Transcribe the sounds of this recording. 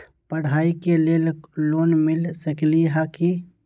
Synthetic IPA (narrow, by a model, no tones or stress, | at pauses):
pəɽ̤aːikelelloːnmɪlsəkliɦaki